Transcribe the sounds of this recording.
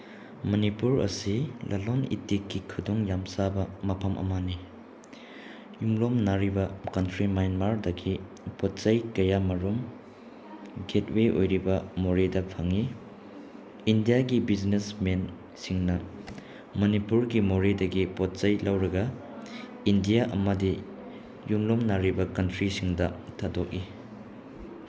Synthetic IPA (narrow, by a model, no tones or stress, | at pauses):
mɐnipuɾɐ̰silʔɐlonḭtikːikʰːudoŋjamsabɐmɐpʰɐmʔɐ̰mani | jumlomnaɾibɐkɐntɾimajnmaɾdɐɡi | pɔt̚t͡ʃɐjkɐjamɐɾum | ɡet̚weʔo̰jɾibɐmoɾedɐpʰaŋi | ndijaɡibiznesmen | siŋnɐ | mɐnipuɾɡimoɾedɐɡipot̚t͡ʃɐjlɐwɾɐɡɐ | indijaʔɐmɐdi | jumlomnaɾibɐkɐntɾisiŋdɐtʰadok̚i